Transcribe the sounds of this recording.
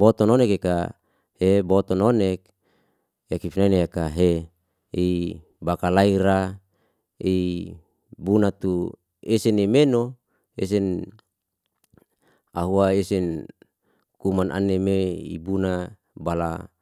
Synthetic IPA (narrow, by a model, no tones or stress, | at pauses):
bot̪ɔnonekeka | hebot̪ɔnonek̚ | jakifinaineakaɦe | i | bakalaiɾa | i | bunat̪u | esenemeno | ḛs̬ɛn | aɦuaesɛn | kumanʔa̰nemeḭbuna | bala̰